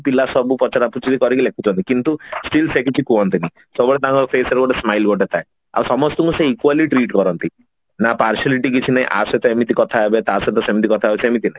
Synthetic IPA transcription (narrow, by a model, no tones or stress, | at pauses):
pilasɔbupɔt͡ʃaɾaput͡ʃʰit̪ikɔɾik̬ilekʰut͡ʃʰɔnt̪ikint̪usʈilpʰekit͡ʃʰikuɔnt̪ini | sɔbɔɭet̪ãŋkɔpʰeseɾɡɔʈesmajlɡɔʈ̬et̪ʰae | a̰wsɔmɔst̪ɔŋũseikwaliʈɾiʈkɔɾɔnt̪i | napaɾsaliʈik̬it͡ʃʰinaɦĩʔa̰set̪ɔemit̪̬ikɔt̪ʰaebet̪aset̪ɔsemit̪̬ikɔt̪ʰaebet͡ʃʰiemit̪̬inaɦĩ